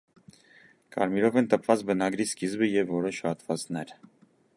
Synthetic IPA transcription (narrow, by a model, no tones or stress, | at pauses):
kɑ̰ɾmiɾɔvɛnt̪əpʰvɑt͡sbənɑɡɾiskizbəjɛvːɔɾɔʃhɑt̪vɑt͡snɛɾ